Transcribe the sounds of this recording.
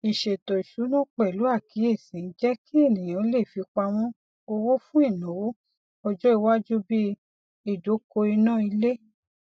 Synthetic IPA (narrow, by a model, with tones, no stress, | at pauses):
i˨ʃe˨to˨i˨ʃu˨˦nɔ̃˦k͡pɛ˨lu˨˦a˦˨ki˨˦e˦˨sĩ˨˦n̩˦d͡ʒɛ˦ki˦e˦˨nĩ˨j̃ã˨˦le˦˨fi˧k͡pa˧w̃ɔ̃˦ | o˧wo˦fũ˦i˦˨nõ˨˦w | ɔ˧d͡ʒɔ˦i˧wa˦d͡ʒu˦bi˦ | i˦˨do˨˦ko˧i˧nãː˦˨i˧le˦